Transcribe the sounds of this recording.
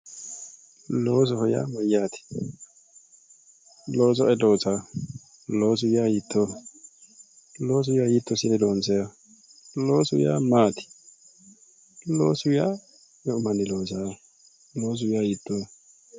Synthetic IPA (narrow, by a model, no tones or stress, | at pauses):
loːs̬ɔhɔja̰ːmɔjaːt̪ɪ̥ | loːsɔʔɛdoːsa | loːs̬ʊjajit̪ːɔ | loːs̬ʊjajit̪ːɔsɪnɛdoːnsɛa | loːsʊja̰ːmaːt̪ɪ̥ | loːsʊja | ɛʊmɐnɪloːsaː | loːs̬ʊjajɪt̪ːɔ